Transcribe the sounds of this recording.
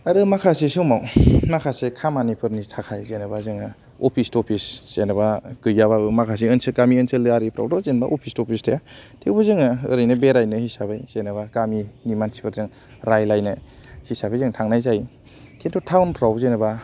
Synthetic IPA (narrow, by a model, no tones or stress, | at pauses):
aɾɯmakʰasesumawmakʰasekʰamanipʰɯɾnitʰakʰajzenɯbazɯŋa | ɔpʰistɔpʰisz̥enabakɯjːaβaɯmakʰas̬iɯnsɯkamiɯnsɯlːɯaɾipʰɾa̰wtɔzenba̰ʔopʰistɔpʰistʰajatʰewbɯzɯŋaɯɾɯjnɯbeɾajnɯhisabajsenaβakaminimansi̥pʰɯɾzɯŋ | ɾajlajnɯ | hisabajzɯŋtʰaŋnajzaj | kʰentʰutʰawnpʰɾawzenɯba